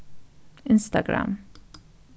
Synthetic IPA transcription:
ɪnst̪aɡɾa̰m

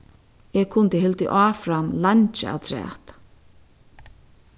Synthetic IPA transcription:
ɛkʰʊnt̪ɪɦɪlt̪ɪ̰ʔaːfɾamlant͡ʃɪa̰wt̪ʰɾɛ̰ːt̪

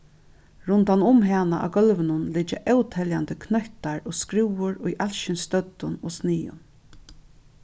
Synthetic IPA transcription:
ɾʊnt̪anʊmɦɛnaʔa̰ɡœlʋɪnʊnlɪt͡ʃːɪʔɛwt̪ʰɛljand̪əkʰnœht̪aɹɔːskɾɪwʊɾʊjʔalʃɪnst̪œt̪ːʊnoːsniːʊ̰n

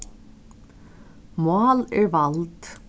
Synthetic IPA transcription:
mɑːlɛɹʋɑlt̪

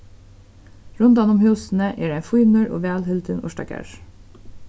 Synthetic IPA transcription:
ɹʉnd̪ɑnʊmhʉːsn̩əʔeːɖæɪfʊːmʉɹʔo̰ːʋæːlhɪld̪ənʔʊ̰ʃʈɑ̰ɡæ̰ɹ

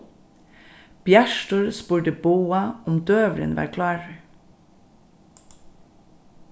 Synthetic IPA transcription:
b̥jæʃʈʊɹspuːɖəboːɑɔmd̪øːʋɾə̰nʋɑ̰ːɾkʰlɑːɹ

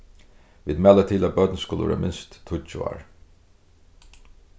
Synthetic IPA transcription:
ʋiːd̪mɛːlət̪ʰiːlabœd̪nskʊlə̰ʋɛ̰ːɾ̰mɪnst̪ʰːʊt͡ʃːʊɑ̰ːɹ

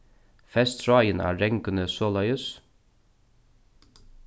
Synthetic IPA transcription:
fɛst̪ɾaːjənæ̰ːɛŋkənəsɔːlajəs

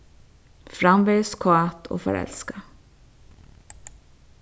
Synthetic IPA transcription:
fɾamveskʰoat̪ʰo̰ːfœ̰ɾɛ̰lska

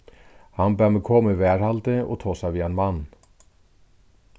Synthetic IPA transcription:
hɑnbæːməkʰɔːməʋæːɾhɑlt̪əo̰ːt̪ʰoːsɑʋiːɛnmɑn

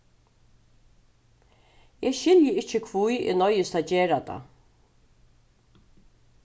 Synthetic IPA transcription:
ɛːʃɪljɪɪt͡ʃːəkʰvujɪ̰nɔjɪst̪ʰad͡ʒeːɾat̪a̰

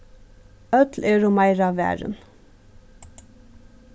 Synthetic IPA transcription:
œt̪lʔeːɹʊmɑɪɾɑʋæ̰ːɹə̰n

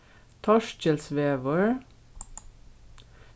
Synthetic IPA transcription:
t̪ʰɔʃc͡çəlsʋeːʋəɹ

